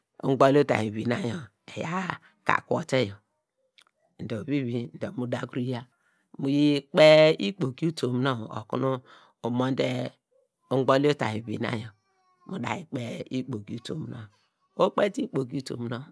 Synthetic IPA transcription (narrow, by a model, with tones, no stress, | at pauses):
ṵ˦ŋ˦ɡ͡bo˦li˦o˦ta̰˨ji˨βi˨na˦jo˨ | e˨ja̰˦ | ka̰˨ko̰˨te˦jo˨ | n̩˨do˨βi˦βi˦n̩˨do˨mu˦da˦ɡu˦ɾi˦ja˦ | mu˨ji˦k͡pe˦i˦k͡po˨ki˦u˦to˨m˦no˦˨o̰˨kṵ˦nu˦ | o˨mo˦n̩˦de˦ | u˦ŋ˦ɡ͡bo˦lo˦ta̰˨i˨βḭ˨na̰˦jo˨˦ | mu˨da̰˨ji˨k͡pe˦i˦k͡po˨ki˦u˦to̰˨m˦no̰˦˨ | o˦k͡pe˦ti˦k͡po˨ki˦u˦to̰˨m˨no˦˨